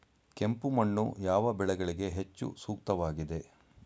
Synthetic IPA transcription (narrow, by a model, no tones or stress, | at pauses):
kempumɐɳːṵjaːʋɐbɛɭɛɡɐɭiɡe̞ɦet͡ʃːṵsuːk̚t̪ɐʋaːɡid̪e̞